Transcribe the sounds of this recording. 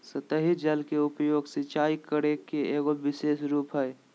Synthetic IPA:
sət̪əɦid͡ʒəlkeʊpjoːɡsɪt͡ʃaːikəɾekeeːɡobɪseːsɾuːpɦɛj

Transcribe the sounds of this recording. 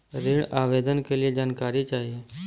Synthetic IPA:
ɾɪɳaːʋeːd̪ənkelɪed͡ʒaːnkaːɾit͡ʃaːɦie

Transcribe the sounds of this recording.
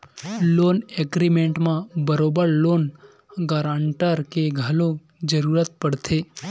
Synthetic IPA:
loːneːɡɾimẽːɳʈmãbəɾoːbəɾloːn | ɡaːɾãːɳʈəɾkeɡʱəlõ | d͡ʒəɾuːɾət̪̚pəɽt̪ʰeː

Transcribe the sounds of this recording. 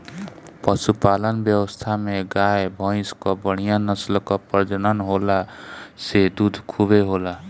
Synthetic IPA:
pʌsupalənbjʌwəst̪ʰameɡajebʱʌ̃j̃skɔbəɽ̃ijanʌslkɔpʌd͡ʒənʌnɦolased̪ud̪ʱkʰubeɦola

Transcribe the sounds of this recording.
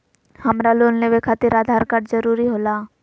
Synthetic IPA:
hɐmɾaloːnneʋekʰaːt̪ɪɾaːd̪ʱaːɾkaɾzəɾuːɾiɦoːlaː

